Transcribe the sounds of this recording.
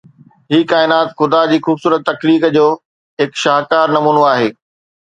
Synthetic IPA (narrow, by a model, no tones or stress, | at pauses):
ɦiːkaːɪnaːt̪xʊd̪ad͡ʑiːxuːbsuːɾət̪ːɐkliːkd͡ʑoː | ɦɪkʃaːɦkaːɾnɐmuːnoaːɦeː